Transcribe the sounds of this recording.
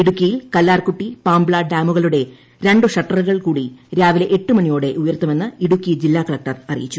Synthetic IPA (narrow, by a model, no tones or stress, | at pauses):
iɽukːijilkɐlːaːrkuʈːipaːmbɭaːɖaːmuɣɐɭuɽe̞ | ɾe̞ɳɖɨʂɐʈːɐruɣɐɭkuːɽiɾaːʋileʔeʈːumɐnijoːɽe̞ʔujɐɾt̪ːɐme̞nːɨiɽukːid͡ʑilːaːkɐɭɐk̚ʈɐrɐrijit͡ɕːu